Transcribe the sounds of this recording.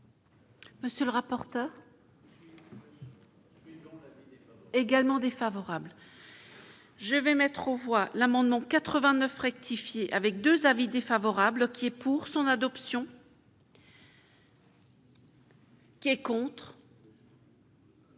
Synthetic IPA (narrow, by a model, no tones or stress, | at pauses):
məsjələʁapɔʁt̪œːʁ | eɡalmɑ̃d̪efavɔʁabl | ʒəvɛmɛt̪χɑ̃vwalamɑ̃d̪mɑ̃kat̪χəvɛ̃nœfʁɛk̚t̪ʰifjeʔavɛk̚d̪øzavid̪efavɔʁablkʲiɛpʰuʁsɔ̃nad̪ɔpsjɔ̃ | kʲiɛkɔ̃t̪χ